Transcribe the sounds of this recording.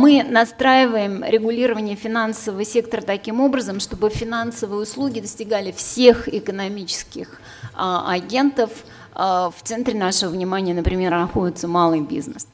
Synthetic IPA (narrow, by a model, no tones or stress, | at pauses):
mɨnɐst̪ɾajɪvəjɪmɾʲɪɡʊlʲiɾəvənʲɪjəfʲɪnansəvəəsʲe̞k̚t̪əɾət̪ɐkʲimo̞bɾəzəmʂt̪o̞bɨfʲɪnansəvɨjʊslˠuɡʲɪd̪əsʲtʲɪɡalʲɪfsʲe̞xɪkənɐmʲit͡ɕɪ̥skʲɪx | ɐɡʲe̞nt̪əf | ft̪sɛnt̪ɾʲɪnaʂɨvəvnʲɪmanʲɪjənəpɾʲɪmʲe̞rnɐxo̞dʲɪt̪səmalˠɨjbʲḭznəs